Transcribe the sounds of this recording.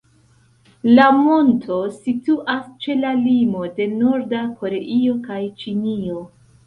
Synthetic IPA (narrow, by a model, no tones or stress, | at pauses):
lamo̞ntʰo̞situʔast͡ʃe̞lalimo̞de̞no̞ɾdako̞ɾe̞ʔio̞kajt͡ʃinio̞